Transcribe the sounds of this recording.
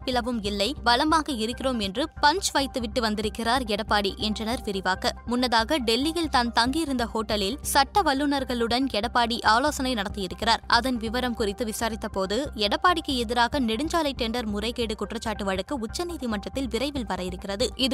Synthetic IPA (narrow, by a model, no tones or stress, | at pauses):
pːɪlɐʋɯmɪlːɐɪʋɐlɐmbaːɣɐɪɾɯkːɪroːmɛndrɯpɐɲt͡ʃʋɐɪt̪ːɯʋɪʈːɯʋɐnd̪ɪɾɯkːɪraːɾɛɽɐpːaːɽiʔɛndrɐnɐɾʋɪɾɪʋaːkɐmʊnːɐðaːɣɐɖɛlːɪɣɐɭt̪aːnt̪ɐŋɡijɪɾɯnd̪ɐhoːʈːɐlɪlsɐʈːɐʋɐɭːɯnɐɾɣɐɭɯɽɐnɛɽɐpːaːɽiʔaːloːsɐnɐɪnɐɽɐt̪ːɯjɪɾɯkːɪraːɾʔɐðɐnʋɪʋɐɾɐmkʊrɪt̪ːɯʋɪsaːɾɪt̪ːɐpoːðɯɛɽɐpːaːɽɪkːɯɛðɪɾaːɣɐnɛɽɯɲd͡ʒaːlɐɪʈɛɳɖɐɾmʊrɐɪkeːɽɯkʊʈrɐt͡ʃːaːʈːɯʋɐɻɯkːɯʊt͡ʃːɐniːðimɐʈrɐt̪ːɪlʋɪɾɐɪʋɪlʋɐɾɐjɪɾɯkːɪrɐðɯɪðɯ